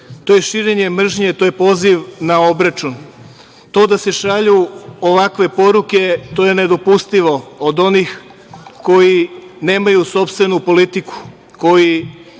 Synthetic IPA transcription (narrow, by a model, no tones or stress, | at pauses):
t̪o̞ːje̞ʃiːɾe̞ɲe̞mr̩ʒɲet̪o̞ːjepo̞ːziʋnaobɾat͡ʃun | t̪o̞ːd̪ase̞ʃaʎuoʋakʋe̞po̞ɾuke̞t̪o̞je̞ne̞d̪o̞pust̪iʋo̞ːd̪o̞nix | ko̞jine̞ːmajuso̞pst̪ʋe̞nupo̞lit̪iku̥ | ko̞ji